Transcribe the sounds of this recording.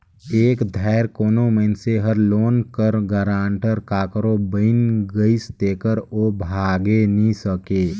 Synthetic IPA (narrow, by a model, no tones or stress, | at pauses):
eːkd̪ʱaɪɾkoːnomənseɦəɾloːnkəɾɡəɾaːɳʈəɾkaːkɾobəɪnɡəist̪eːkəɾoːbʱaːɡenisəkeː